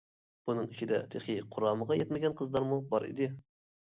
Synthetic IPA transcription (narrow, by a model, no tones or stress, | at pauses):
b̥unɨŋit͡ʃʰid̪ɛ̰t̪ʰeχiqʰʊɾɑːməʁɑjɛt̪mɪɡʲɛnqʰəzlˠɑɾmubɑɾḭd̪ɪ